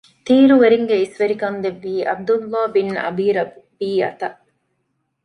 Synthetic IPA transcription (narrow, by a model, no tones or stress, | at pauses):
t̪iːɾuʋeɾiŋɡeisʋeɾikɐnd̪eʋːiːʔɐ̰b̚d̪ulːaːbinɐ̰biːɾɐbiːɐ̰t̪ɐʔ